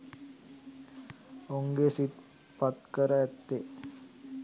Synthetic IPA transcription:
oŋɡesit̪ | pɐt̪kəɾaɛt̪ːe

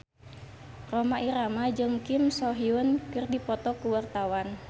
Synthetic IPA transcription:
romaʔiɾamad͡ʒɨŋkimsɔɦiunkɨrdipɔt̪ɔkuwart̪awan

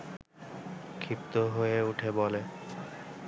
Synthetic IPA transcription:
kʰip̚t̪oɦojeuʈʰebole

